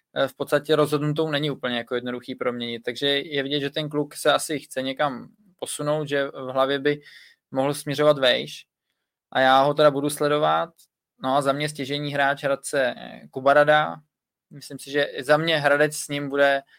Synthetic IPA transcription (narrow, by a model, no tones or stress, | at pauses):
fpot̪st̪acɛɾo̞zɦodnut̪̬ownɛɲɪuːpl̩ɲɛjako̞jɛdno̞duxiːpɾo̞mɲɛɲɪt̪t̪ːaɡʒɛjɛvɪɟɛt̪ʒɛt̪ɛnk̬luksɛasɪxt͡sɛɲɛkam | po̞suno̞wt̪ʒɛvɦlavjɛbɪ | mo̞ɦl̩smɲɛɾo̞vat̪vɛjʃ | ʔajaːɦo̞t̪ɛɾabuduslɛdo̞vat̪̚ | no̞azamɲɛs̬cɛʒɛɲiːɦɾaːt͡ʃɦɾat̪̚t͡sɛkubaɾada | mɪslɪmsɪʒɛzamɲɛɦɾadɛt͡ssɲɪmbudɛ